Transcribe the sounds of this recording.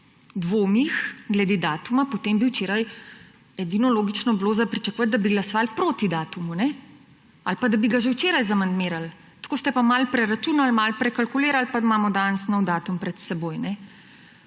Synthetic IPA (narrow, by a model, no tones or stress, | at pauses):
d̪ʋoːmixɡlɛd̪ed̪aːt̪umapot̪embiwt͡ʃeːɾaj | ɛd̪inɔloːɡit͡ʃnɔbloːzapɾit͡ʃakuʋat̪̚d̪abiɡlasɔʋalpɾoːt̪id̪aːt̪umunɛ | alpad̪abiɡaʒɛwt͡ʃeːɾajzamand̪meːɾal | t̪koːst̪ɛpamalpɾɛɾat͡ʃunalmalpɾɛkalkuleːɾalpamaːmɔd̪ansnɔwd̪aːt̪umpɾɛt̪sɛboːjnɛ